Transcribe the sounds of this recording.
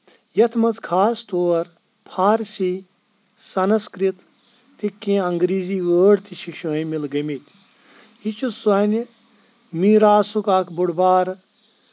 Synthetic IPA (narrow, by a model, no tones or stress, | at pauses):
jɐt̪ʰmɐt͡skʰaːst̪oːɾ | pʰaːɾsi | sɐnɐskɾit̪ː | ikːẽːɐŋɡɾiːziːʋəːɖt̪ʰiʃʰiʃuimilɡɐmit̪ʲ | it͡ʃʰusɐnʲ | miːɾaːsukaːkʰbuɽbaːɾ